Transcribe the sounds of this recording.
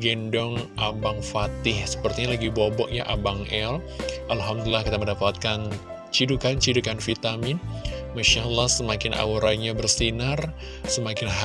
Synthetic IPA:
ɡɛndɔŋʔabaŋfat̪ɪhsə̥pərt̪iɲalaɡibobɔʔjaʔabaŋɛl | ʔalɦamd̪ulilahkit̪aməndapat̪̚kan | t͡ʃidukant͡ʃidukanfit̪amɪnmaʃalːahsəmakɪnʔa̰wuɾa̰iɲabərsinar | səmakɪnɦa

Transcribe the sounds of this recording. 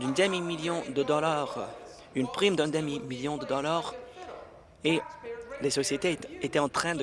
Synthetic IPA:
d̪ynd̪emimiljɔ̃d̪əd̪ɔlaʁ | ynpχimd̪ɛ̃nd̪ɛmimiljɔ̃d̪əd̪ɔlaʁ | elesɔsjet̪eet̪ɛɑ̃t̪χɛ̃d̪ə

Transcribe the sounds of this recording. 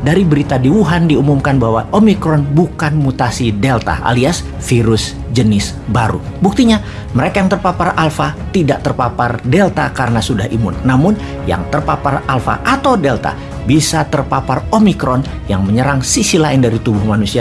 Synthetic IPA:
daɾibəɾit̪adiwuɦandiumumkanbaɦwaʔomikɾɔnbukanmut̪asidelt̪a̰ʔa̰lias | fiɾʊs | d͡ʒənɪs | baɾṵbuk̚t̪iɲa | məɾekajaŋt̪ərpaparalfat̪idaʔt̪ərpapardelt̪akaɾənasudaɦḭmʊ̰nːamʊn | ja̰ŋt̪ərpaparalfa̰ʔat̪awdelt̪a̰ | bisat̪ərpaparomikɾɔn | jaŋməɲəɾaŋsisilaɪndaɾit̪ubʊhmanusia

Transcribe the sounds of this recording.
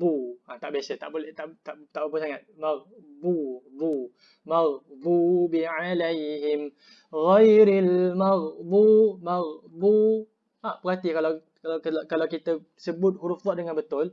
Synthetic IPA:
buat̪aʔbiasət̪a̰ʔbolɛht̪aʔt̪aʔt̪aʔbabusaŋat̪̚maɣbubu | maɣbubiʕalajɦɪm | ɣajɾalmaɣbumaɣbu | apəɦat̪ikala | akalawkit̪ə | səbʊt̪̚huɾufdˤɑʔdəŋãnbət̪ʊl

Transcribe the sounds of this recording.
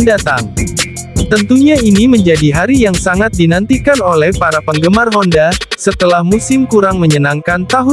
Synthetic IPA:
ndat̪aŋ | t̪ənt̪uɲainiməɲd͡ʒadiɦaɾijaŋsaŋat̪̚dinant̪ikanolɛhpaɾapəŋɡəmarɦɔndasət̪əlahmusɪmkuɾaŋməɲənaŋkant̪aɦʊ

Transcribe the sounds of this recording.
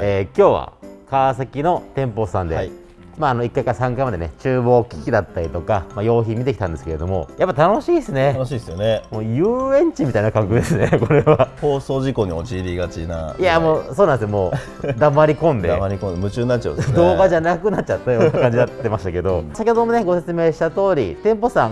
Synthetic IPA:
eːkʲo̞ːβa̰kas̬akʲino̞t̪ẽ̞mpossãnd̪e̞ | maːno̞ikːaikaɾasãŋkaimad̪ene̞t͡ɕɨːbo̞ːkʲi̥kʲid̪at̪ːaɾʲit̪o̞kamajo̞ːçimʲit̪eki̥t̪ãnd̪e̞sɨ̥ke̞ɾe̞d̪o̞mo̞̰japːat̪ano̞ɕiːesɨne̞oɕiːsjonemoːjɯːẽ̞ɲt͡ɕimʲit̪ainakãŋkɯ̟d̪esɨne̞ko̞ɾe̞βaho̞ːso̞ːʑiko̞ɲ̟imot͡ɕibʲiɡat͡ɕḭna̰ijamo̞ːso̞ːnãnd̪esnomo̞ː | d̪amaɾʲikõ̞nd̪ḛmaɾʲikõnemɯ̟t͡ɕɨːɲinatt͡ɕːa̰ɯ̰d̪dnd̪oe̞ːɡaʑanakɯ̟natt͡ɕ̚ːt͡ɕat̪ːajoakkãɲd͡ʑid̪at̪ːe̞maɕi̥t̪ake̞d̪o̞sakʲohod̪omone̞ɡo̞se̞̥t͡sɨme̞ːɕi̥t̪at̪o̞ːɾʲit̪ẽ̞mpo̞sãŋ

